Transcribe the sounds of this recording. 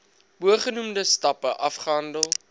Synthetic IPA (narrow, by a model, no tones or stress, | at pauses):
buəχənumdəstɐpəʔɐfχəɦɐndəlˠ